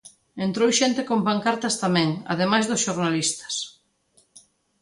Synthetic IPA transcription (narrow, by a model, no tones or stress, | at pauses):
ent̪ɾowʃent̪ekompaŋkaɾt̪ɐst̪amɛ̃ŋa̰ðemajzðʊsʃoɾnalist̪ɐ̥s